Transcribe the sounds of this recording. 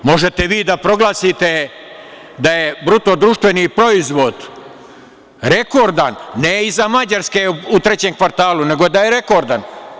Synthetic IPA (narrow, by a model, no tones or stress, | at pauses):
mo̞ʒet̪eʋiːd̪apɾo̞ɡlaːsit̪e | d̪ajebɾut̪o̞d̪ɾuʃt̪ʋe̞nipɾo̞izʋo̞d̪ | ɾe̞ko̞ɾd̪anːeizamad͡ʑaɾske̞ut̪ɾe̞t͡ɕemkʋaɾt̪aːlune̞ɡo̞d̪aje̞ɾe̞ko̞ɾd̪an